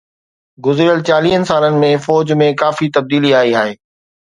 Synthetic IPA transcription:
ɡʊzɾijəlt͡ɕaːliːɦənɪ̆saːlənɪ̆mẽfɔːd͡ʑmẽkaːfit̪ɐb̚d̪iːliaːiaːɦeː

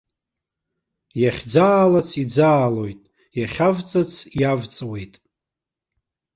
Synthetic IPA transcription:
jaχʲd͡zaːlat͡sʰid͡zaːlo̞jtʼ | jaχʲavt͡sʼat͡sʰjavt͡sʼwe̞jtʼ

